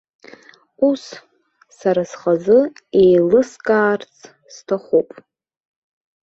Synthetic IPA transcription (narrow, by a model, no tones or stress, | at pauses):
us | saɾasχazɨ | ejlɨskʼaːrt͡sʰʼ | stʰaχupʼ